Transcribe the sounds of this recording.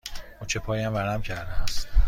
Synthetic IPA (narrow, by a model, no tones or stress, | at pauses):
ut͡ʃʰepʰɒːjæmvæɾæmcʰæɾd̪ææs